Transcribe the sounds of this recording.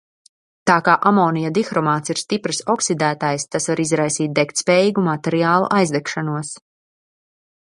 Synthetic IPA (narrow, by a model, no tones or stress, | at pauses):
t̪aːkaːʔamɔːnijad̪ixɾɔmaːt̪siɾ̥st̪ipɾɨsɔksid̪æːt̪ajst̪asvaɾizɾajsiːt̪̚d̪ɛkt̪spɛːjiːɡumat̪ɛɾiaːlˠṵʔajzd̪ɛkʃanuɔs